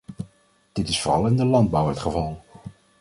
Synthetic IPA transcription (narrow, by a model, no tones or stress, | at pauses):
d̥ɪtɪsfʊːrɑlˠɪndəlɑnd̚bʌwətχəvɑlˠ